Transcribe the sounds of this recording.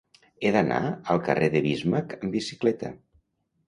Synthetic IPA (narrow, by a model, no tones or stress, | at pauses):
eðəna̰əlˠkə̰reðəβizməkəmbisi̥klɛt̪ə̰